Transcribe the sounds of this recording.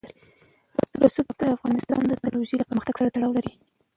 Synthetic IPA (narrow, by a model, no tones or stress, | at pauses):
ɾ | at̪əɾasupakd̪əafɣɑnɪst̪ɑ̰nd̪ət̪luʒelapəɾməxt̪aɡ̥saɾat̪aɽɑwlaɾi